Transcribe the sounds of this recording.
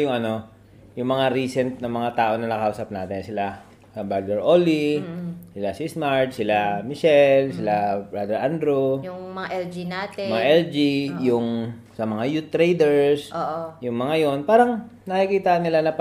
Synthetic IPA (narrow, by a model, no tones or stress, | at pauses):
jʊŋʔɐno̞ | jʊŋmɐŋaɾiːsɛnt̪̚nɐŋmɐŋat̪aːʔo̞nɐnɐkɐʔuːsɐp̚naːt̪ɛnsɪla | sɐbad̪ɛɹʔoːlisɪlasɪsmaɹt̪sɪlamɪʃɛlsɪlabɹad̪ɛɹʔand̪ɾojʊmɐŋaʔɛld͡ʒinat̪mɐŋaʔɛld͡ʒijʊŋ | sɐmɐŋajut̪ːɾejd̪ɛɹsʔoːʔojʊŋmɐŋajo̞npaːɾɐŋnɐkikiːt̪aʔɐnːɪlanɐp